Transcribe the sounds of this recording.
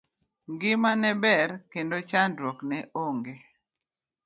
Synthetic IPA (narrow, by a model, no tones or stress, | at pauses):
ŋɡɪmanɛbɛɾkendot͡ʃandɾwɔknɛʔoŋɡe